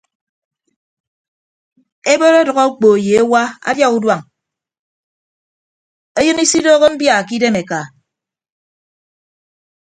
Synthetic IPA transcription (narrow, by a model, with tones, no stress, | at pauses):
e˦bo˦ɾe˦dɔ˨ɣɔ˦k͡po˨e˨je˨e˦wa˦a̰˦dja˦ɣu˦dwa˦˨ŋ | e˦jɨ˦ni˦si˦doː˦ɣe˦m̩˦bja˦˨ki˦de˦me˨ka˨